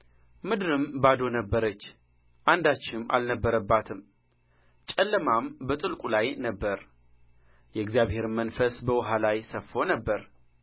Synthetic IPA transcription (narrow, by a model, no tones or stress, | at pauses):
mɨd̪ɨɾɨmbad̪o̞nəbːəɾət͡ʃː | ʔand̪at͡ʃːɪmʔa̰lnəbːəɾəbːat̪ʰɨm | t͡ʃʼɛlːəmambət̪ʼɨlkʼulajnəbːəɾ | jɛɨɡzijaβhe̞ɾmːənfəsbəwʊɦalajsəfːo̞nəbːəɾ